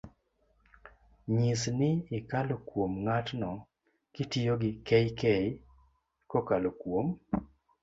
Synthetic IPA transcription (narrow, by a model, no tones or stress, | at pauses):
ɲisnɪɪkalokwomŋatnɔ | kɪtijoɡɪkɛjkɛj | kɔkalokwom